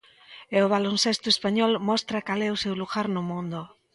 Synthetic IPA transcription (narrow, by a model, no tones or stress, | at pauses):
eʊβalonsest̪ʊespaɲɔlmɔst̪ɾakalɛʊsewluɣaɾnʊmũnd̪o